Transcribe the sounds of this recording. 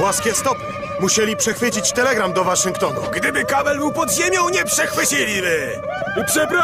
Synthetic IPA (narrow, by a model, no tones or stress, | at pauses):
waskʲɛst̪ɔpɛ | muɕɛlʲipʂɛxfɘt͡ɕit͡ɕt̪ɛlɛɡɾamd̪ɔvaʂɨŋkt̪ɔnṵɡd̪ɘbɘkavɛlmuwpɔd̪ʑemʲjɔ̃w̃ɲɛpʂɛxfɘt͡ɕilʲibɘ | upʂɛpɾ